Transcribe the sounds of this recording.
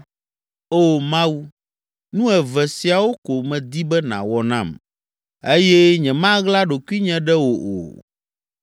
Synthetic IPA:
o˦˨mã˦wu˦ | nũ˦ɛ˨vɛ˨si˨a˨wo˦ko˨mɛ̃˨d̪i˦bɛ˦nã̰˨wɔ˦nã̰˦˨m | e˦jɛ˦ɲɛ̃˨mã˦ɣla˦ɖo˨ku˦i˦ɲɛ̃˨ɖɛ˦wo˨ʔo̰˨

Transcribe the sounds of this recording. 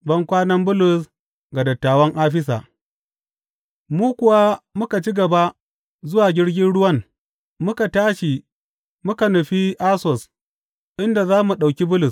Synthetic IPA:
bɐ˦ŋkʷaː˦nɐ˦mbʊ˦lʊ˨s | ɡa˨dɐ˨tːaː˨wɐ˦ŋʔaː˦ɸ̬ɪ˦s̬a̰ː˨ | muː˦kʷʊ˨wa˦mʊ˦ka˨t͡ʃi˦ɡɐ˨ba˦ʔ | zʊ˦waː˨ɡʲɪ˦ɽɡʲɪ˦nɽʊ˦wɐ˦ŋ | mʊ˦ka˨taː˦ʃi˨ | mʊ˦ka˨nʊ˨ɸi˦ʔaː˦sɔ˨s | ʔɪ˦nda˨zaː˦mu˨ɗa˨wkʲi˦bʊ˦lʊ˨s

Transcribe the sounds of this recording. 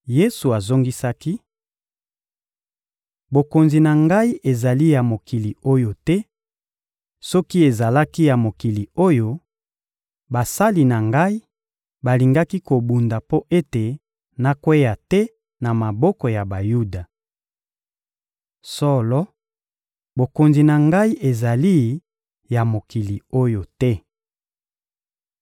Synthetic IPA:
je˦su˨a˨zo˦ŋɡi˦sa˦ki˦ | bo˨ko˨nzi˨na˨ŋɡa˦i˦ʔe˨za˨li˦ja˨mo˨ki˨li˨o˦jo˦tɛ˦ | sɔ˦ki˦e˨za˨la˦ki˦ja˨mo˨ki˨li˨o˦jo˦ | ba˨sa˦li˨na˨ŋɡa˦i˦ | ba˨li˨ŋɡa˦ki˦ko˨bu˨nda˨po˦ʔe˦te˨ | na˦kwe˦ja˨tɛ˦ | na˨ma˨bɔ˦kɔ˨ja˨ba˨ju˦da˨ | sɔ˦lɔ˦ | bo˨ko˨nzi˨na˨ŋɡa˦i˦ʔe˨za˨li˦ | ja˨mo˨ki˨li˨o˦jo˨tɛ˦

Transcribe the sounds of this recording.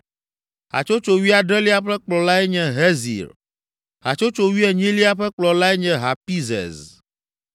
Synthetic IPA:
ɦa̰˨t͡ʃo˦t͡ʃo˨wi˦a˨ɖɛ˦li˦a˦ɸɛ˦k͡plɔ˨la˦ɛ˦ɲɛ̃˨ɦɛ˦zḭ˨ɾ | ɦa̰˨t͡ʃo˦t͡ʃo˨wi˦ɛ˨ɲĩ˦li˦a˦ɸɛ˦k͡plɔ˨la˦ɛ˦ɲɛ̃˨ɦa˨pi˦zɛ̰˨z

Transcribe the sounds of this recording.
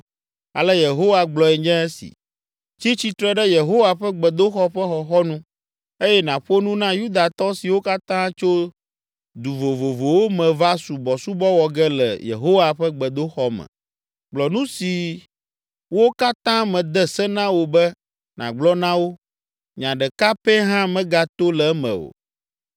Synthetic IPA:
a̰˨lɛ˦je˨ɦo˦wa˨ɡ͡blɔ˨ɛ˨ɲɛ̃˦e˦sḭ˨ | t͡ʃi˦t͡ɕi˨t̪ɾɛ˦ɖɛ˦je˨ɦo˦wa˨ɸɛ˦ɡ͡bɛ˨d̪o˦xɔ˦ɸɛ˦xɔ˨xɔ˦nũ˦ | e˦jɛ˦nã˨ɸo˦nũ˦nã˦ju˦d̪a˨t̪ɔ˦si˨wo˦ka˦t̪ã˦t͡ʃo˦ | d̪u˨vo˨vo˨vo˨wo˦mɛ̃˨va˦su˨bɔ˨su˦bɔ˦wɔ˨ɡɛ˦lɛ̰˨jḛ˨ɦo˦wa˨ɸɛ˦ɡ͡bɛ˨d̪o˦xɔ˦mɛ̰̃˨ | ɡ͡blɔ˨nũ˦si˨ | wo˦ka˦t̪ã˦mɛ̃˨d̪ɛ˦sɛ˦nã˦wo˨bɛ˦ | nã̰˨ɡ͡blɔ˦nã˦wo˦ | ɲã˨ɖɛ˨ka˦pɛ˦ɦã˦mɛ̃˦ɡa˨t̪o˦lɛ˨˦mɛ̰̃˨wo̰˨

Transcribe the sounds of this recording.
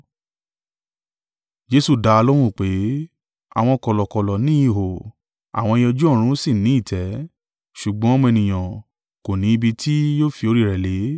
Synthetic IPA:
d͡ʒe˦su˦˨da˧a˧lɔ˦ɾ̃ũ˦˨k͡pe˨˦ | a̰˨w̃ɔ̃˧kɔ˨lɔ˨kɔ˨lɔ˨nĩ˦i˦˨ɦo˨ | a̰˨w̃ɔ̃˧e˧jɔ˧d͡ʒu˦ɔ̃˦˨˦ɾ̃ũ˦si˦˨nĩ˨˦i˦˨tʰɛ˨˦ | ʃu˨ɡ͡bɔ̃˨˦mũ˦˧ɛ˧nĩ˨j̃ã˨ | ko˨nĩ˨˦i˧bi˧tʰi˦joː˦˨fi˧o˧ɾi˦˨ɾɛ˨le˨˦

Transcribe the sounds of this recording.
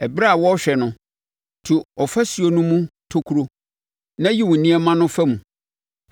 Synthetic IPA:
ɛ˨bɾa˦˨wɔ˦ɔ˦ɕᶣɛ˨nʊ̃˦ | tʰu˨ɔ˨fa˦si˨o˨nũ˦mũ˦tʰo˦kʰu˦ɾo˦ | nã˦ji˦wʊ̃˨nĩ˦ɛ˦mã˦nʊ̃˦fɛ˦mũ˨

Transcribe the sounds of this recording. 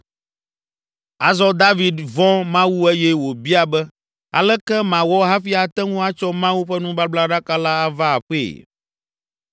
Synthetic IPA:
a˨zɔ˦d̪a˦vi˨d̪vɔ̃˦mã˦wu˦ɛ˦jɛ˦wo˨bi˦a˨bɛ˦ | a̰˨lɛ˦kɛ˦mã˨wɔ˦ɦa˦fi˦a˨t̪ɛ˦ŋũ˦a˦t͡ʃɔ˦mã˦wu˦ɸɛ˦nũ˦ba˦bla˦ɖa˦ka˦la˦a˨va˦a˨ɸḛ˦˨

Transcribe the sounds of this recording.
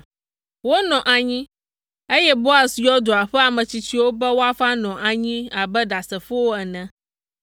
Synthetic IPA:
wo˦nɔ̃˨ʔa˨ɲĩ˦ | e˦jɛ˦bo˦a˨sjɔ˦d̪o˨a˨ɸɛ˦a˨mə̃˨t͡ɕi˦t͡ɕi˦wo˦bɛ˦wo˦a˦fa˦nɔ̃˨ʔa˨ɲĩ˦a˨bɛ˦ɖa˨sɛ˨ɸu˦wo˦ɛ˨nɛ̃˦

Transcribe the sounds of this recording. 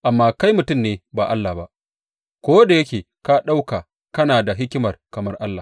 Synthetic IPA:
ʔa˨mːaː˦˨ka˦jmʊ˨tʊ˦˨mneː˨baː˨ʔa˦lːa˨ba˦ʔ | kʷoː˦da˨jɐ˦kʲeː˨ | ka˦ɗa˦wka˨ | kɐ˦naː˨da˨ɦɪ˦kʲɪ˦mɐ˨rkɐ˨mɐ˦rʔa˦lːa˨

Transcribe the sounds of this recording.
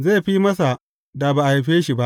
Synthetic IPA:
zeː˦˨ɸi˦mɐ˦s̬a˨ | da˨baː˨ʔhɸeː˦ʃi˨ba˦ʔ

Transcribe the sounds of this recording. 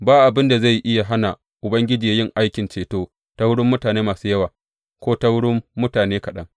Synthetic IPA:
baː˦ʔa˨bɪ˦nda˨za˦˨jʔɪ˦ja˨ɦa˦na˨ | ʔʊ˨bɐ˦ŋɡʲɪ˦d͡ʒiː˨ja˦jɪ˦ŋʔa˦jkʲɪ˨nt͡ʃeː˨toː˦ | ta˦wʊ˦ɽʊ˦mːʊ˦taː˨neː˦maː˨suː˦jɐ˦waː˨ | kʷoː˦ta˦wʊ˦ɽʊ˦mːʊ˦taː˨neː˦kɐ˨ɗɐ˦ŋ

